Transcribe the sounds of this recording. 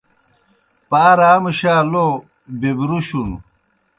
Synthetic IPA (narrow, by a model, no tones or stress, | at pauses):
paːɾaːmuɕaːlo | bibɾuɕunu